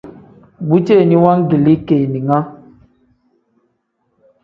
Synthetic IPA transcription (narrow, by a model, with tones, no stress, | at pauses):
bu˦t͡ʃe˦˨ni˦wa˦ŋɡi˨li˦ke˨ni˨ŋa˦